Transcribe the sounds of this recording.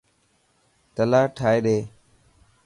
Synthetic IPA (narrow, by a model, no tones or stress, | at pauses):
t̪əlaːʈʰaːeːɗeː